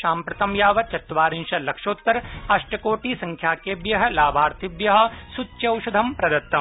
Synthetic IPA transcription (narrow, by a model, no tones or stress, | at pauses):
ʃaːmpɾɐt̪ɐmjaːʋɐt͡ʃɐt̪ːʋaːɾinʃɐlɐkʂoːt̪ːɐɾɐʃʈɐkoːʈiːsɐ̃ŋkʰjaːkebjɐɦɐ̆laːbʱaːɾt̪ʰɪbjɐɦɐ̆sutːʃɐwʃɐd̪ʱɐmpɾɐd̪ɐt̪ːɐm